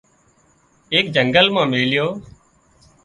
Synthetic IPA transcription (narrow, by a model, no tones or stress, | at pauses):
eːkd͡ʒəŋɡəlmãːmeːljoː